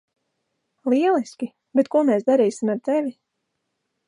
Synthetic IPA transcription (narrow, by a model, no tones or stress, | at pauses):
lˠiɛlˠiskʲi | bet̪kuɔmeːsd̪aɾiːsimaɾt̪ɛvʲi